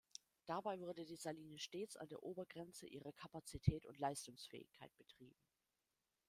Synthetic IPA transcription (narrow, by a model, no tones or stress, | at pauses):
d̥abaɪvʏɐdədiːzaliːnəʃteːt͡sa̰ndeːɐʔoːbɐɡʁɛnt͡səʔiːʁ̞əkʰapat͡sitʰɛːtʊ̰ntlaɪstʊŋsfɛ̰ːɪ̰çkʰaɪt̚b̥ətʁ̥iːbm̩